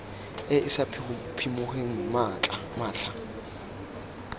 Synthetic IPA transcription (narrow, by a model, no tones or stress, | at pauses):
ɪɪsapʰ | pʰimʊχeŋ̩mat͡ɬʼamaːɬa